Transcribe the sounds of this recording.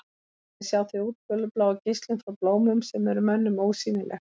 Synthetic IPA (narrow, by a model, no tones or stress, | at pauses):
ɛsjaːwθiuːt̪̚pœlʏplaːwacejst̪lɪnfawploːwmmsɛmɛɾʏmɛnːʏmoːwsiːnɪlʔɛ̰x